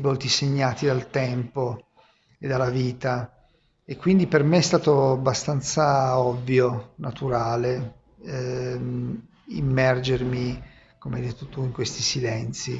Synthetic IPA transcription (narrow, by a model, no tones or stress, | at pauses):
vɔlt̪iseɲːaːt̪id̪alt̪ɛmpo | ed̪ːalːaviːt̪a | ekːwind̪ipermeɛst̪aːt̪oabːast̪ant̪saɔvːjonat̪uɾaːle | ḭmːɛrd͡ʒermi | komeajd̪et̪ːot̪uiŋkwest̪isilɛnt̪si